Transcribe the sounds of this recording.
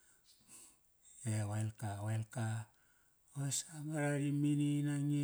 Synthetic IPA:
ewelkawelka | wosamaɾaɾimininaŋi

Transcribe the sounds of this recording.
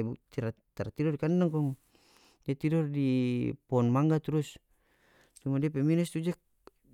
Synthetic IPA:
but̪iɾa | t̪aɾat̪idɔrikandaŋkɔŋ | diat̪idɔrdipɔnmaŋɡat̪uɾus | t͡ʃumadiapɛminɛst̪ud͡ʒak̚

